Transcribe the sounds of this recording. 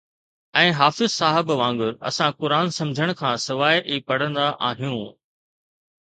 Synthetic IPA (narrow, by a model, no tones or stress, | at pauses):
ɛ̃ːɦaːfɪzsaːɦɪbʋãːŋɡʊɾɐ̰sãkʊɾaːnsɐ̃md͡ʑʱəɽ̃̆kʰãːsɪʋaːjʔiːpɐɽ̤ə̃nd̪aʔaːɦijũ